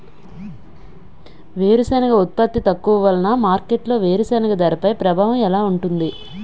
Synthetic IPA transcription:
ʋeːɾusɐːnɐɡɐut̪̚pɐt̪ːit̪ɐkːuʋɐʋɐlɐnamaːɾkeʈlo̞ːʋeːɾusɐːnɐɡɐd̪ɐɾɐpɐjpɾɐbʱaːʋɐmɛlaːuɳʈund̪i

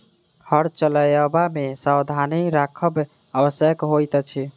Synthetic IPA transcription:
həɾt͡ʃələjəbamesawd̪ʱaniɾakʰəb | əbəsjəkɦojt̪t͡ʃʰi

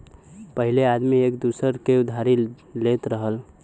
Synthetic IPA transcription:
pəɦilead̪miekd̪usəɾkeʊd̪ʱaɾi | let̪ɾəɦəl

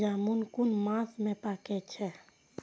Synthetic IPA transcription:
d͡ʒamunkunmãsmẽpakɛt͡ʃʰɛ

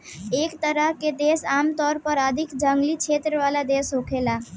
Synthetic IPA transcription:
ekt̪əɾəɦked̪esamt̪ɔɾpəɾəd̪ʱikd͡ʒəŋɡlit͡ʃʰet̪ɾəʋalad̪esɦokʰela

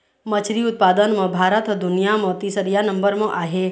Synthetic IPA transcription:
mət͡ʃʰɾiʊt̪̚paːd̪ənmẽbʱaːɾət̪d̪ʊnijamɔ̃ːt̪isəɾijanɐ̃mbəɾmẽʔaːɦe

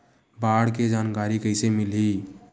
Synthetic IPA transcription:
baɽked͡ʒankaɾikəɪsemili

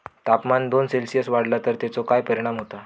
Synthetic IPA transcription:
t̪apmand̪onselsijəsʋaɽlat̪əɾt̪jat͡sokajpəɾiɽ̃amɦot̪a

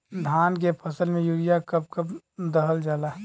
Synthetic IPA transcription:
d̪ʱaːnk̬epʰəsəlmẽjuːɽijakəp̚kəp | d̪əɦəld͡ʒaːla

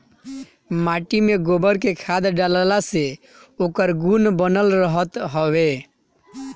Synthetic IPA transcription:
maʈimeɡobəɾkekʰad̪ɖallase | okəɾɡunbənəlɾəɦət̪ɦəwe

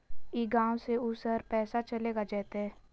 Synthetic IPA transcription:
iːɡãːwseʊsəɾpɛːsat͡ʃɐleːɡad͡ʒɛːt̪eɦɛː

